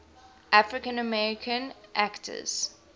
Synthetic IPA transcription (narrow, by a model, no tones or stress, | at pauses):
ʔafɹɪkə̃nəmɛɹɪkʰə̃nʔæktʰə̰z̥